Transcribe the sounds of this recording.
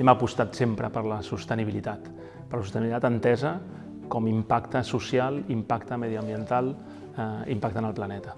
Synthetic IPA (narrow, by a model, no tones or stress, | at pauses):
ɛməpust̪at̪sempɾəpəɾləsust̪əniβilit̪at̪ | pəɾləsust̪ənit̪at̪ənt̪ɛzə | kɔmimpakt̪əsusjalˠimpakt̪əmɛðiəmbiənt̪alˠ | impak̚t̪ənəlˠplanɛt̪ə